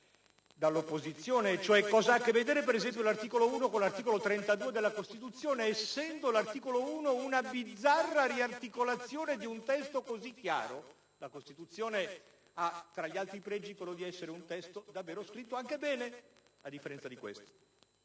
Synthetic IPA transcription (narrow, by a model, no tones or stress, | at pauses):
d̪alːopːozit̪sːjoːnet͡ʃoɛkːɔːzaakːevːed̪eːɾepeɾezɛmp̬jolart̪iːkolouːnokonlart̪iːkolot̪ɾent̪ad̪uːed̪elːakost̪it̪ut̪sːjoːneːsːɛnd̪olart̪iːkolouːnounabid̪zːarːaɾiart̪ikolat̪sːjoːned̪iunt̪ɛst̪okozikːja̰ːɾo | lakost̪it̪ut̪sːjoːne | at̪ːɾaʎːialt̪ɾipɾɛd͡ʒːikwelːod̪iɛsːeɾeunt̪ɛst̪od̪avːeːɾoskɾit̪ːoaŋkebɛːnead̪ːifːeɾɛnt̪sad̪ikwḛst̪o̥